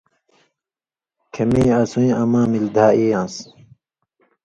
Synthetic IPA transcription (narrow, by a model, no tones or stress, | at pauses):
kʰemiːɐsũj̃ɐmãːmild̪ʱaːijãːs